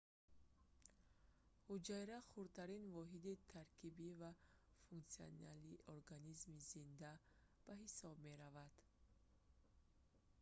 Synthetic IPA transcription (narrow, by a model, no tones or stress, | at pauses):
hud͡ʒajɾaχuɾt̪ʰaɾinvɔɦid̪it̪ʰaɾkʰibivafuŋk̪sia̰nalioɾɡanizmizind̪a | b̥aɦisɔbmeɾavad̪̥